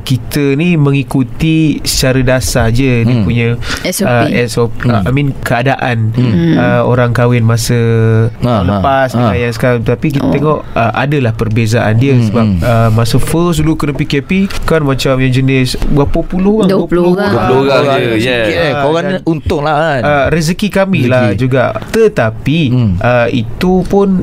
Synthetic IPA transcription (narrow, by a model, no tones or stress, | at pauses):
kit̪ənimə̃ŋikut̪isə̥t͡ʃaɾədasad͡ʒədipuɲasəɛsɔpəamĩnkəadaʔanəo̰ɾaŋkawɪnmasə | ləpasdiajaŋs̬ə̥kaɾaŋət̪apik̬it̪ət̪eŋɔʔəʔa̰dalahpərbezaʔa̰ndiəsəbap̚əmãsəfəs̬ulukənəpikɛpikanmãt͡ʃamjaŋd͡ʒənɪsbapapuluadploɣapoɣaikɪoɣaunt̪ʊŋlaanəɾiz̬əkikamilad͡ʒuɡaʔt̪ət̪apiʔəḭt̪upʊn